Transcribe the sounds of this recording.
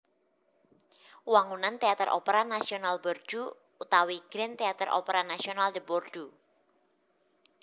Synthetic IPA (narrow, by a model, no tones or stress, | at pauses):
waŋunant̪eat̪əɾʔɔ̰peɾanasionalbɔr̥d͡ʒ̥uː | t̪awiɡ̥ɾɛnt̪eat̪əɾʔɔ̰peɾanasionald͡ʒəbord̥u